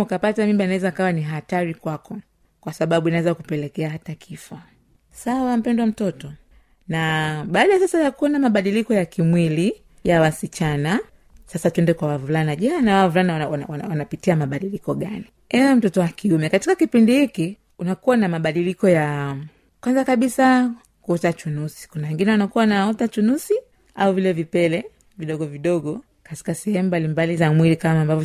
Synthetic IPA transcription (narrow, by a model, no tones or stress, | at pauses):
ukapatamimbanawɛzaːkawaniɦataɾikwakɔ | kwasaɓaɓuinawɛzakupɛlɛkɛaɦatakʰifɔ | sawam̩pɛndwam̩tɔtɔ | naɓaːɗajasasajakuanamaɓaɗilikɔjakimwili | jawasit͡ʃana | sasatwɛndɛkwawavulanaʄanawavulanawawawawanapitiamaɓaɗilikɔɠani | ɛɛm̩tɔtɔwakiumɛkati̥kakipindihiki | unakuwanamaɓaɗilikɔja | kwanzakaɓisa | kuutat͡ʃunusi̥kunawɛŋɡinɛwanakuwanaɔtat͡ʃunusi | auvilɛvipɛlɛ | viɗɔɠɔviɗɔɡɔ | kati̥kasɛhɛmubalimbalizamwilikamaːmbavɔ